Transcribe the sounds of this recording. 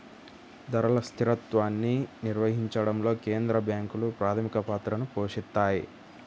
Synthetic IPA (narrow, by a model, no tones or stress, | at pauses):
d̪ɐɾɐlɐst̪ʰiɾɐt̪ʋaːnːiniɾʋɐɦiɲt͡ʃɐɽɐmlo̞ːke̞ːnd̪ɾɐbjaːŋkulupɾaːt̪ʰɐmikɐpaːt̪ɾɐnupoːʂit̪ːaːji